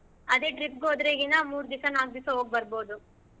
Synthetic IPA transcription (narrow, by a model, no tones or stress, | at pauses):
ɐd̪eːɖɾip̚ɡoːd̪ɾeːɡinamuːɾd̪isɐnaːɡ̚d̪isɐɦoːɡ̚bɐɾboːd̪u